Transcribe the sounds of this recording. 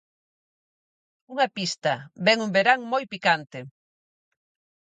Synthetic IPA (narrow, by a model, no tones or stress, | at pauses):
uŋɐpist̪ɐbɛŋumbeɾaŋmojpikant̪e